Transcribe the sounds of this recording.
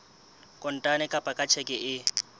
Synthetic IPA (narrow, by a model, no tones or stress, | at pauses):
kʼɔn̩tʼanɛkʼapʼakʼat͡ʃʰɛkʼɛʔɪ